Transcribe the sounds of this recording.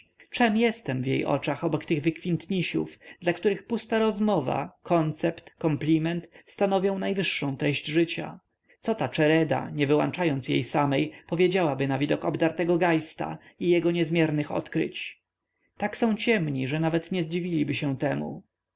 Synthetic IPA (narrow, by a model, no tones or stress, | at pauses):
t͡ʂɛmjɛst̪ɛmvjḛjʔɔ̰t͡ʂaxɔbɔkt̪ɘɣvɘkfʲint̪ɲiɕṵfd̪lakt̪uɾɘxpust̪aɾɔzmɔva̰kʰɔnt̪sɛpt̪kɔmplʲimɛnt̪st̪anɔvʲjɔ̃w̃najvɘʂːɔ̃w̃t̪ɾɛɕd͡ʑʐɘt͡ɕa̰ | t̪sɔt̪at͡ʂɛɾɛd̪a̰ɲɛvɘwa̰nt͡ʂajɔnt̪sjḛjsamɛjpɔvʲjed͡ʑawabɘnavʲid̪ɔkɔbd̪aɾt̪ɛɡɔɡajst̪a̰ | ijɛɡɔɲɛzmʲjɛɾnɘxɔ̰t̪kɾɘ̰t͡ɕ | t̪aksɔ̃w̃t͡ɕɛmɲiʐɛnavɛt̪ɲɛzd͡ʑivʲilʲibɘɕɛ̃t̪ɛmṵ